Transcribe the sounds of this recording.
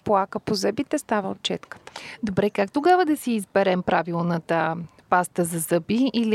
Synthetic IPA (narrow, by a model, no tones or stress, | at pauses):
plˠakəpozəbit̪ɛst̪avəot̪̚t͡ʃɛt̪kə̥t̪ə̥d̪obɾɛkakt̪oɡavəd̪ɐsiːzbɛɾɛmpɾʔavilˠnət̪ə | past̪əzɐzɤbiːli